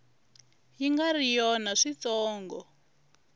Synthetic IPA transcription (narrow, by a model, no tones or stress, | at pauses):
jiŋɡarijɔnaʂit͡sɔːŋɡɔ